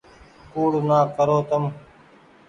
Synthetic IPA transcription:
kuːɽnaːkəɾoːt̪əm

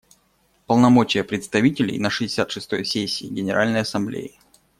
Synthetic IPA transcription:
pəlˠnɐmo̞t͡ɕɪjəpɾʲɪt̪st̪ɐvʲitʲɪlʲɪ̰jnəʂɨdʲɪsʲat̪ʂɨst̪o̞jsʲesʲːiːɡʲɪnʲɪɾʔalʲnəjɐsɐmblʲḛjɪ

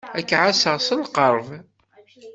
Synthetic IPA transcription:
ækːʕasəʁsəlqəɾˤv

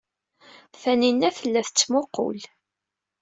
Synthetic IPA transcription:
θæninːæθəlːæθt͡sːmoqːo̰l

